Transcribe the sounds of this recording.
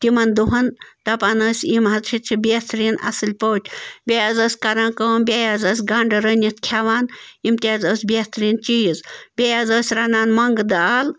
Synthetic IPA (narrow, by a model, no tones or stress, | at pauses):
t̪imɐnd̪uɦɐnt̪ɐpaːnɐːsʲimɦɐzt͡ʃʰit͡ʃʰibʲet̪ɾiːnɐ̰sɨlʲpoːtʰʲbʲejaːzɐːsʲkɐɾaːnkəːmbʲejaːzɐːs̬ʲɡaɳɖɐɾənʲit̪ʰkʲʰaʋaːnimt̪ʲaːzəːsʲbʲet̪ʰɾiːnt͡ʃiːzbʲejaːzəːsʲɾanaːnmɐŋɡd̪aːl